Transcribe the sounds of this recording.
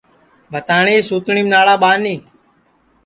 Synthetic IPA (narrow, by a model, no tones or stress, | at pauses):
bʱət̪aːɳiːsuːt̪ɳiːmnaːɽaːɓaːniː